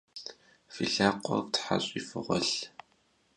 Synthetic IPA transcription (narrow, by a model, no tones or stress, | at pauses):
fiɮaːqʷɔvtħa̰ɕʼifɨʁʷɔɬ